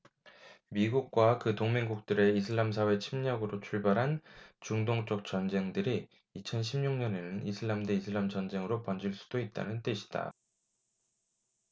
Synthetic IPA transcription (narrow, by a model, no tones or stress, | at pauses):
miɡuk̚k͈wakɯtoŋmeŋɡuk̚t͈ɯɾe̞isʰɯɭːams̬ʰawe̞t͡ɕʰimɲʌɡɯɾot͡ɕʰuɭbaɾɦant͡ɕuŋdoŋt͡ɕ͈ʌk̚t͡ɕ͈ʌnd͡ʑe̞ŋdɯɾiː | t͡ɕʰʌnɕʰimɲuŋɲʌne̞nɯnisʰɯɭːamdeisʰɯɭːamt͡ɕʌnd͡ʑe̞ŋɯɾopʌnd͡ʑiɭs͈u̥d̥oit̚t͈a̰nɯnt͈ɯɕʰi̥d̥a̰